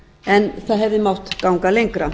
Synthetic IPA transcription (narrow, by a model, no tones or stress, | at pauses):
ɛnθaðɦɛvðɪmawht̪kawŋkalejŋkɾa